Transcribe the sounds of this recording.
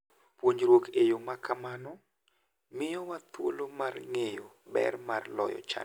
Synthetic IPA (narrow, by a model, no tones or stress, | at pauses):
pwoɲɾwokʰejomakamanɔ | mɪjɔwat̪wo̰lomarŋejo | bɛ̰rmarlɔ̰jɔ̰t͡ʃa̰